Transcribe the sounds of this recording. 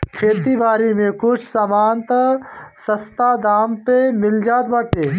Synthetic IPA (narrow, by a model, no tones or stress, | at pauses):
kʰeːt̪ibʱaːɾimẽkʊt͡ʃʰsɐmaːnt̪sɐst̪aːd̪aːmpemɪld͡ʒaːd̪bəʈeː